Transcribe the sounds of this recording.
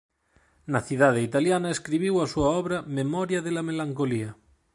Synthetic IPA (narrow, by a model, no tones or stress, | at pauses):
naθiðað̞eit̪aljanaeskɾiβ̞iwasuaɔβɾamemɔɾjaðelamelaŋkolia